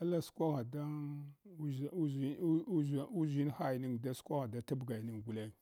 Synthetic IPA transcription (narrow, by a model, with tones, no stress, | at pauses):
a˦la˦skʷa˦ɣa˨da˦u˦zu˦zi˦u˦zu˦zi˦n˦xa˦jni˦ŋda˦skʷa˦ɣa˨da˦ta˦bɡa˨jni˦ŋɡu˨le˦˨